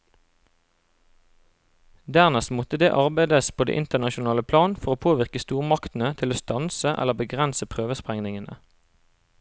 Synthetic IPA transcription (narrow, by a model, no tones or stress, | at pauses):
d̪æʁnɛst̪mɔt̪əd̪eːʔɑʁbæɪd̪əspʰoːdḛːʔɪnt̪əʁnɑʃʊnɑːləpʰlɑːnfɔʁoːpʰoːʋɪʁkəst̪uːʁmɑkt̪n̩ət̪ʰɪloːst̪ɑnsəʔɛ̰ləbəɡʁɛnsəpʰʁøːʋəspʁɛŋnɪŋənə̰